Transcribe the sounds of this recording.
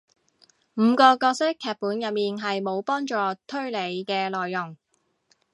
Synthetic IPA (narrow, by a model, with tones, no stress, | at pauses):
m̩ː˨˧kɔː˧kɔː˧k̚sɪ˥kʰːɛː˨˧t̚puː˨˥njɐ˨t̚miː˨nɦɐ˨jmo˨˧wpɔː˥ŋt͡ʃɔː˨˧t̪ʰɵ˥ɥle˨˧jkɛː˧lɔː˨jːʊ˨˩ŋ